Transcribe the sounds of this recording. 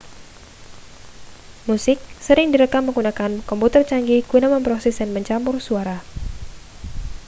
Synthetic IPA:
musɪk̚səɾɪŋdiɾəkamːəŋɡunakankɔmput̪ərt͡ʃaŋɡiɡunaməmpɾɔsɛsdanməɲt͡ʃamʊrsuaɾa

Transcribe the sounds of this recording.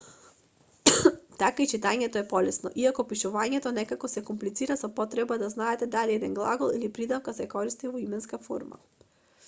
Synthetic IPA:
t̪akait͡ʃit̪aɲɛt̪ɔɛpɔlɛsnɔ̰ʔiakɔpiʃuvaɲɛt̪ɔnɛkakɔsɛkumplit̪siɾasɔpɔt̪ɾɛbad̪aznaɛt̪ɛd̪aliɛd̪ɛnɡlˠaɡɔlˠilipɾid̪afkasɛkɔɾist̪ivɔimɛnskafɔ̰ɾma̰

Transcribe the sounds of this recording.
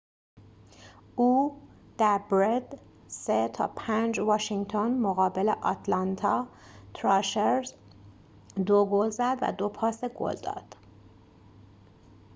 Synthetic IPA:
uː | d̪̥æɾbɾed̪ | set̪ʰɒ̰ːpʰænd͡ʒvɒːʃiŋɡt̪ʰonmoɣɒːbeleʔɒt̪ʰlɑnt̪ʰɒː | t̪ʰɾɒʃeɾz | d̪oɡolzæd̪væ̰d̪o̞pʰɒːseɡo̰ld̪ɒ̰ːd̪̥

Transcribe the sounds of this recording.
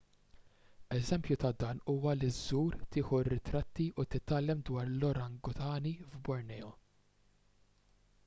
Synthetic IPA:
ɛzɛmpjut̪ɐd̪ɐːnuːwɐlizːuːɾt̪ɪːħuɪrːɪt̪ɾɐt̪ːiʔut̪ɪt̪ːɐlːɛmd̪wɐːɾlɔɾɐŋɡɔt̪ʰɐːnivbɔɾnɛːɔ

